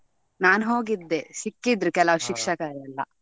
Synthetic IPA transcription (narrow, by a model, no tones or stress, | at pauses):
naːnɦoːɡid̪ːesikːid̪ɾukɛlɐʃikʂɐkaːɾiɐlːɐ̰